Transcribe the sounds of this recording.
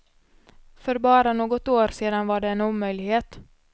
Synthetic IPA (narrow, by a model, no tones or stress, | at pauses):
fœɾbɑːɾanoːɡɔt̪oːɾseːd̪anvaɖɛɛːnuːmːœjlɪɡheːt̪